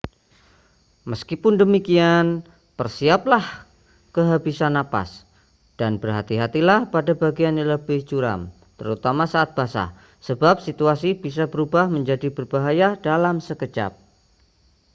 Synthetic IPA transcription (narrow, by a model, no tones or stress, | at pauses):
məskipʊndəmikian | pərsiap̚lah | kəɦabisanːapa̰s | d̥anbərɦat̪iɦat̪ilahpadabaɡianləbɪhd͡ʒuɾa̰m | t̪əɾut̪amasaat̪̚b̥asa̰ | səbap̚sit̪uasib̥isabəɾubahməɲd͡ʒadibərbaɦajadalamsəkət͡ʃa̰p̚